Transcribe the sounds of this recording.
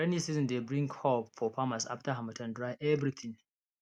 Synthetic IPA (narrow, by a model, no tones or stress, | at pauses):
ɛnisizɔ̃ndebɹɪ̃ŋkʰɔfɔpʰamasa̰ftaɦamɐtʰɐ̃ndɹaɪʔɛvɾit̪ʰɪ̃ŋ